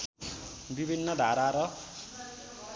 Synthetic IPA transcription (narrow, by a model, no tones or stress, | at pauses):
bibʱinːʌd̪ʱaɾaɾʌ